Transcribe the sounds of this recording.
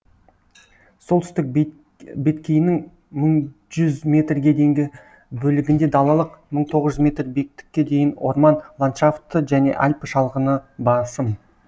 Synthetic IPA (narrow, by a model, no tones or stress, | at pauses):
so̞lˠt̪ʰʏst̪ɪk̚ | be̞t̪kʲejɪnɪŋ | məɴ | ʒʏzmʲe̞t̪rɡʲe̞d̪e̞jŋɡʲɪ | bɵlɪɡʲɪnd̪e̞d̪ɑlˠɑlˠəqməɴt̪ʰo̞ʁəzʒʏzmʲe̞t̪rbek̚t̪ɪ̥kʲːe̞d̪e̞jɪno̞rmɑnlˠant̪ʃaft̪ːəʒæne̞̰ʔalʲpəʃɑlˠʁənəbɑsəm